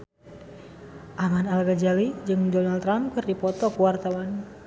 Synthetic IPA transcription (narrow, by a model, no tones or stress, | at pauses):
ʔamanalɡad͡ʒalid͡ʒɨŋdɔnalt̪ːɾam̚kɨrdipɔt̪ɔkuwart̪awan